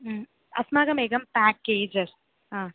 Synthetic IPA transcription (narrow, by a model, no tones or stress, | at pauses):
ɐ̰smaːɡɐmeːkɐmpæːkːeːd͡ʒɐɾ | ɦãː